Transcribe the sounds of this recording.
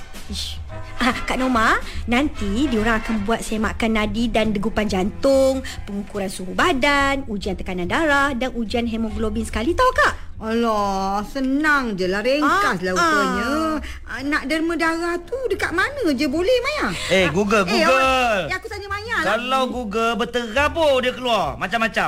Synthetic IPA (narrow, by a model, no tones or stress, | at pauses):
iʃ | akaʔnomanant̪idioɾaŋakanbuat̪̚semaʔkanːadidandəɡupand͡ʒant̪ʊŋpəŋukuɾansuɦubadanud͡ʒiant̪əkanãndaɾahdanud͡ʒianɦɛmɔ̃ɡlobɪnsə̥kalit̪awkaʔ | ɔlɔsənaŋd͡ʒəlaɾeŋkaslaukəɲə | ənaʔdərmə̃daɾaht̪udəkaʔ̪̚manə̃d͡ʒəbolɛhmajaeɡuɡəlɡuɡəlakut̪aɲəmaɲaʔkalawɡuɡəlbət̪əɡabodiəkəluarmat͡ʃamːat͡ʃa